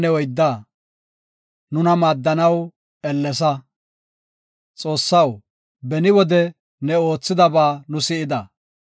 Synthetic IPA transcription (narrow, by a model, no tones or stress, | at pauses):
nɛwɔjd̪ːa | nʊnɐmaːd̪ːɐnɐw | ɛlːɛs̬ɐ | t͡sʼo̞ːsːɐw | bɛnɪwɔd̪ɛ | nɛo̞ːt͡sːɪd̪ɐbaːnʊsɪɪd̪ɐ